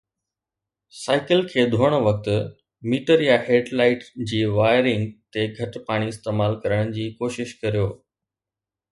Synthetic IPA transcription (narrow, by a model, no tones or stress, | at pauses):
saːɪkəlkʰeːd̪ʱoːɽ̃əʋɐk̚t̪ | miːʈəɾjaɦeːɖlaːɪʈd͡ʑiːʋaːɪɾɪ̃ŋɡt̪eɡʱɐʈpaːɽ̃iɪst̪eːmaːlkɐɾəɽ̃d͡ʑiːkoːʃɪʃkɐɾijoː